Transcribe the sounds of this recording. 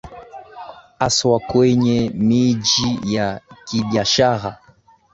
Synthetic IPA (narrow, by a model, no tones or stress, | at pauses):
aswakwɛɲɛmid͡ʒijakiɓiaʃaɾa